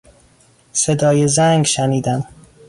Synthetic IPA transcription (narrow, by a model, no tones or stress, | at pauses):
sed̪ɒːjezæŋɡʃæniːd̪æm